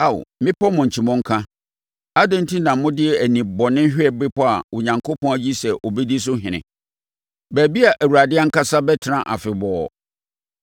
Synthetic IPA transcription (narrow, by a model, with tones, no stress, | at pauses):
a˦˨w̰mɪ̃˦pʰɔ˦mʊ̃˨ɲ̩˨t͡ɕʰi˨mɔ̃˦ŋ̩˦kʰã˦ | a˦dɪ̃˦n̩˦tʰi˦nã˨mʊ̃˦dɪ˦ɛ˦æ˨nĩ˨bɔ˨nɪ̃˦ɕᶣɪ˦ɛ˨bɪ˦pɔ˦a˨ʊ˨ɲã˨ŋkʰo˦pʰɔ̃˦æ˨d͡ʑi˦sɛ˨ʔɔ˨bɛ˦di˦s̬ʊ˦ɦɪ̃˨nɪ̰̃˨ | bæ˨bi˦a˨ʔæ˨wu˨ɾa˨dɪ˦a˦ŋ̩˦ka˦sa˦bɛ˦tʰɪ˨nã˨ʔa̰˨fɪ˨bɔː˨